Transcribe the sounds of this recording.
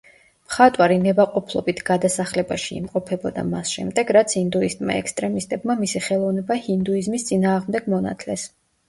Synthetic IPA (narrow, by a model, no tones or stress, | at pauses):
mχat̪ʼwaɾinɛbaqʼɔpʰlˠɔ̰bit̪ʰɡ̥ad̪asaχlɛbaʃiḭmqʼɔpʰɛbɔd̪a̰masʃɛ̰md̪ɛɡɾat̪sʰind̪uist̪ʼma̰ɛkst̪ʼɾɛmist̪ʼɛbmamisiχɛlˠɔvnɛbahind̪uizmist̪sʼinaːʁmd̪ɛɡmɔna̰t̪ʰlɛs